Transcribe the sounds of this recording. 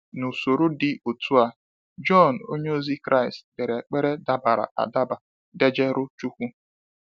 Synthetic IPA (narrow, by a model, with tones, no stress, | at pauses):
nu˨so˨ɾo˦dɪ˦o˨tu˦a˦ | d͡ʒɔ˦˨n̩˨o˦ɲe˦o˦zi˦kɾa˦˨ɪ˨stbe˨ɾe˨k͡pe˦ɾe˦da˦ba˨ɾa̰˨ʔa̰˨da˦ba˨ | de˦d͡ʒe˦ɾʊ˦t͡ʃu˦kʷu˦